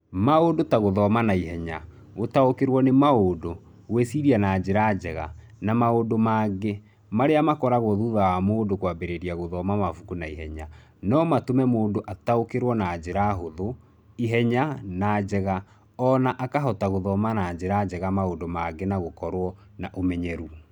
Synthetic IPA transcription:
maodotaɣoðɔmanaiɦɛɲa | ɣotaokeɾwɔnemaodo | ɣwesiɾianad͡ʒeɾad͡ʒɛɣa̰ | namaodomaɡe | maɾeamakɔɾaɣɔðuðawamoːndokwabeɾeɾiaɣoðɔmamafukunaiɦɛɲa | nɔmatomɛmoːndoʔataokeɾwɔnad͡ʑeɾaɦoðo | iɦɛɲanad͡ʑɛɣa | ɔnaʔakaɦɔtaɣoðɔmanad͡ʑeɾad͡ʒɛɣamaondomaɡenaɣokɔɾwɔ | naʔomɛɲɛɾu

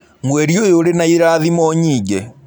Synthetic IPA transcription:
mwɛɾiojoɾenaiɾaðimɔɲiːɡɛ

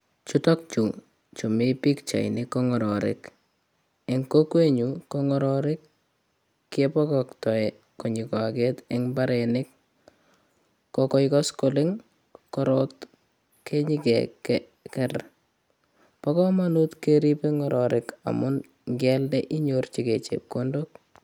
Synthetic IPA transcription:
t͡ʃutɔk̚t͡ʃu | t͡ʃomipikt͡ʃa̰inɪkːɔŋɔɾɔɾɪ̰k | eŋkokweɲukɔŋɔɾɔɾɪkː | epɔkɔktɔɛ | koɲɪkɔaketɪŋbaɾenɪk̚ | ɔkɔjkɔskolɪŋ | kɔɾɔt | kʰeɲikɛ̰kɛ | kɛr | pɔkɔmanutkeɾipeŋɔɾʔɔɾɪka̰mʊn | ŋɡɛldɛʔiɲort͡ʃiket͡ʃḛp̚kondok̚

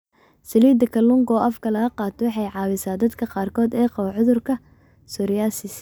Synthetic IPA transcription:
sɐliːd̪ɐkʰɐlʊŋɡɔːʔɐfkʰɐlɐɡɐqɑːt̪ʰɔwɑħɑjʕɑːβɪsaːd̪ɐd̪kʰɐqɑːrkʰɔːd̪ɛːqɑβɐʕʊðʊrkʰɐ | sɔɾɪjaːsɪs

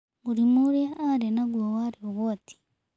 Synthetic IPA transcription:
muɾimuɾjaːɾenaɡwowaɾioβwoti̥

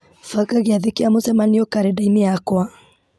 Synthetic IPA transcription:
faɣaɣeaðekeamozɛmaniɔkaɾɛdaimeakwa

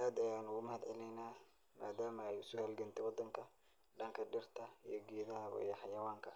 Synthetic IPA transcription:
aːd̪ɐjaːnʊɣʊmɐhɐd̪ʕɛlɛjnaː | ma̰ːd̪aːmɐɛjʊsʊhɛlɡɐnt̪ʰɛwɑd̪ɐŋkʰɐ | ɖɐŋkʰɐɖɪrt̪ʰɐijɞɡiːðɐβɐ̰ḭjɔħɑjɐwaːŋkʰɐ

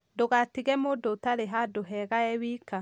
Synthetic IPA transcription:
ndoɣatiɣɛmodotaɾeɦadoɦɛɣaɛwika

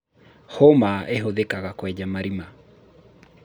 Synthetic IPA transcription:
homaʔeɦoðekaɣakwɛd͡ʒamaɾima

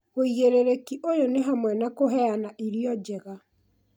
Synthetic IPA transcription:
ɣoiɣeɾeɾekiʔojoneɦamwɛnakoɦɛanaʔiɾiɔd͡ʒɛɣa

